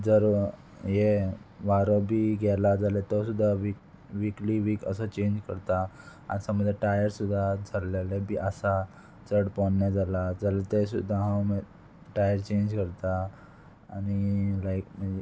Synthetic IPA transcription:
d͡zəɾ | jeʋaɾɔbʱiːɡɛlad͡zalet̪ɔsud̪ʱːaʋi | ʋikliʋiːkə̰sət͡ɕẽɲd͡ʑkəɾt̪a | ansaməd̪ʱːjeʈajəɾsud̪ʱːad͡zʱəɾlelebʱiːʔəsa | t͡səɽpɔɳnjad͡zalad͡zalet̪esud̪ʱːaɦãwm | ʈajəɾt͡ɕeɲd͡ʑkəɾt̪aː | nilajkməd͡ze

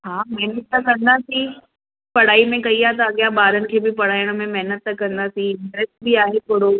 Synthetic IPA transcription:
ɦaːmɐɦnət̪ːɐkɐ̃nd̪aːsĩ | pɐɽ̤aːimẽkɐiaːt̪ɐɐɠjãɓaːɾənɪ̆kʰeːbɪpɐɽ̤aːɪəɽ̃mẽmɐɦnət̪ːɐkɐ̃nd̪aːsĩmɐɾəsbɪaːɦep̪oɦɽo

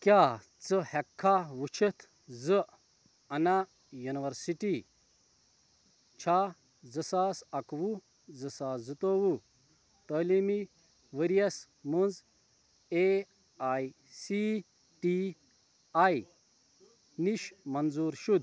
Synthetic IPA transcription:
kjaː | t͡sɨhɛkʰːaʋut͡ʃʰit̪ʰ | zɨʔ | ɐna | juniʋɐɾsiʈi | t͡ʃʰaː | zɨsaːsɐkʋu | d͡zɨsaːzɨt̪oːʋu | t̪əːlimi | ʋəɾijɐs | munz | e | aj | si | ʈi | aj | niʃmɐnzuːɾʃud̪̚

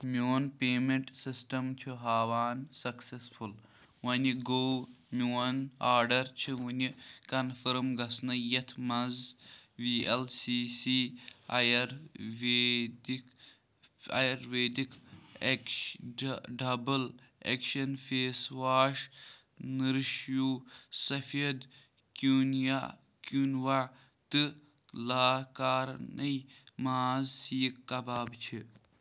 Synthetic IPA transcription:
mʲuːnpeːmeɳʈsisʈɐmt͡ʃʰuɦaːʋaːnsɐksesful | wɐniɡoːmʲuːɐnaːɾɖɐɾt͡ʃʰiwunikɐnfɐɾmɡɐsnɨjɐt̪ʰmɐzʋielsiːsiːajɐɾʋeːd̪ik | ɐ̰jɐɾʋeːd̪ikk | ɖɐbɐl | ḛkʃɐnfeːswaːʃ | nɨɾʃjuːsɐfiɐd̪ | kunja̰ | kunʋa | t̪ɨ | laːkaːɾnɐjmaːzsiːkːɐbaːbt͡ʃʰi

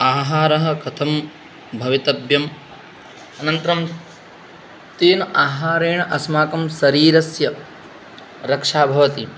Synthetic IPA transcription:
aːɦaːɾɐɦɐ̆kɐt̪ʰɐm | bʱɐʋit̪ɐbʱjɐm | ɐnɐnt̪ɐɾɐm | t̪iːnɐaːɦaːɾeːɳɐʔɐsmaːkɐmsɐɾiːɾɐsjɐ | ɾɐkʂaːbʱɐʋɐt̪i

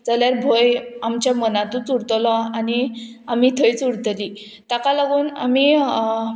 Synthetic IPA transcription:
d͡zaljaɾbʱojamt͡ɕjamənãt̪ũːt͡suɽt̪lɔani | amit̪ʰəjt͡suɽt̪əli | t̪akalaɡuːna̰mi

